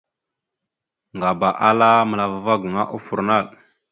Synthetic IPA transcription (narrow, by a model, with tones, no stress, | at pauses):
ŋɡa˨ba˨ʔa˦la˦mə˨la˨va˨va˦ɡu˨ŋa˦ʔu˦fu˨ɾna˦˨ɗ